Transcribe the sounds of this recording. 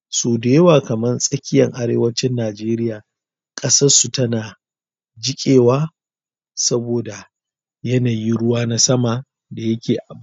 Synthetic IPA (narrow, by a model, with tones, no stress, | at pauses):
soː˨de˦waː˨kɐ˨mɐ˦nsʼɐ˦kʲɪ˦jɐ˨ŋʔa˦ɾeː˦wɐ˦t͡ʃɪ˦nːaː˨d͡ʒeː˦ɾɪ˦jaː˨ | kʼɐ˦sɐ˦rsu˨tɐ˦naː˨ | d͡ʒɪ˦kʲʼeː˨waː˦ | sɐ˦boː˨da˨ | jɐ˦naː˨ji˦ɽʊ˦waː˦na˦sɐ˦ma˨ | da˨jɐ˦kʲeː˨ʔa˨b